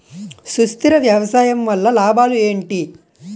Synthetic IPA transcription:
sust̪iɾɐʋjɐʋɐsaːjɐmʋɐlːɐlaːbaːlue̞ːɳʈi

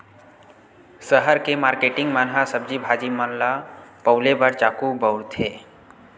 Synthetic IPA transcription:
səɦəɾkemaːɾkeʈɪ̃ŋɡmənɦasəb̚d͡ʒibʱaːd͡ʒimənlapəʊlebəɾt͡ʃaːkubəwɾt̪ʰeː

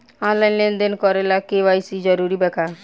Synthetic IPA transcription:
ɔnlajnlend̪enkɔɾelakewajsid͡ʒɔɾuɾibɛka

